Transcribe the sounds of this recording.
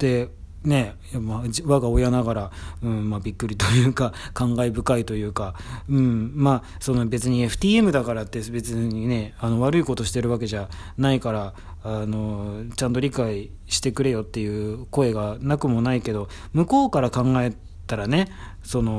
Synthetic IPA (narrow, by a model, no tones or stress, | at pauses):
t̪e̞ | ne̞jamaβaɡao̞janaɡaɾaɯ̟̃ɴmabʲikːɯ̟ɾʲit̪o̞jɯ̟ːkakãŋɡaibɯ̟kait̪o̞jɯ̟ːkaɯ̟̃ɴmaː | so̞no̞be̞t͡sɨɲ̟ie̞ɸɯ̟̥t̪ʲiːe̞mɯ̟d̪akaɾat̪ːe̞be̞t͡sɨɲine̞ano̞β̞aɾɯ̟iko̞t̪o̞ɕi̥t̪e̞ɾɯ̟βak̬e̞ʑa | naikaɾaː | no̞t͡ɕãnt̪o̞ɾʲikai | ɕi̥t̪e̞kɯ̟ɾe̞jo̞t̪ːe̞jɯ̟ːko̞e̞ɡanakɯ̟mo̞naike̞d̪o̞ | mɯ̟ko̞ːkaɾakãŋɡae̞ | t̪aɾane̞ | so̞no̞